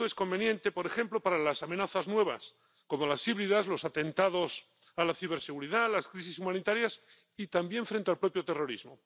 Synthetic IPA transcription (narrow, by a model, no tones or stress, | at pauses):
oe̞sko̞mbe̞njẽ̞nt̪e̞po̞ɾe̞xe̞mplo̞paɾalasamenaθaznwe̞βa̰s | ko̞mo̞lasiβɾiðazlo̞sat̪e̞nt̪að̞o̞s | alaθiβ̞eɾseɣ̞uɾiðalaskɾisisumãnit̪aɾjas | it̪ambje̞ɱfɾe̞nt̪e̞alpɾo̞pjo̞t̪e̞ro̞ɾḭzmo̞